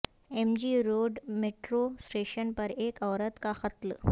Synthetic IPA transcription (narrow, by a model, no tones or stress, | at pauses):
emd͡ʒiɾoːɖmeːʈɾosʈeːʃənpɐɾeːkɔːɾət̪kaxɐt̪l